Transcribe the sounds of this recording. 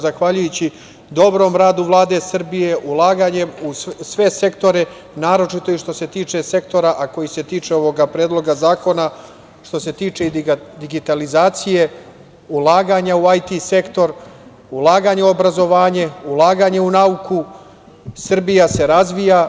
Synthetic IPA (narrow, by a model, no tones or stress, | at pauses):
zaxʋaʎujut͡ɕi | d̪o̞bɾo̞mɾaːd̪uʋlˠaːd̪e̞sr̩bije̞ʔulˠaːɡaɲe̞musʋe̞se̞kt̪o̞ɾe̞ | naːɾo̞t͡ʃit̪o̞iʃt̪o̞se̞t̪iːt͡ʂe̞se̞kt̪o̞ɾaʔako̞jise̞t̪iːt͡ʂeo̞ʋo̞ɡapɾeːd̪lo̞ɡazaːko̞na | ʃt̪o̞se̞t̪iːt͡ʂed̪iɡit̪alizaːt̪sije̞ | ulˠaːɡaːɲauajt̪ise̞kt̪o̞ɾ | ulˠaːɡaːɲeo̞bɾazo̞ʋaːɲe̞ulˠaːɡaːɲe̞unauku | sr̩bijase̞ɾazʋija